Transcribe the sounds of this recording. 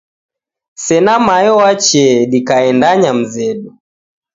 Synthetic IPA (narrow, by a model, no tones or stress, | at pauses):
sɛnamajɔwat͡ʃɛɗikaɛndaɲam̩zɛɗu